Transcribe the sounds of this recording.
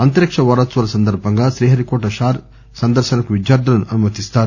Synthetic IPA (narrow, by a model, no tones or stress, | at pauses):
ɐnt̪ɐɾɐkʂɐʋaːɾaːt͡sʋɐɾɐsɐnd̪ɐɾbɐŋɡɐʃɾiːɦɐɾikoːʈɐʃaːɾ | sɐnd̪ɐɾʃɐnɐkuʋid͡ʒjaːɾd̪ʱɐlɐnːuʔɐnumɐt̪ist̪aːɾu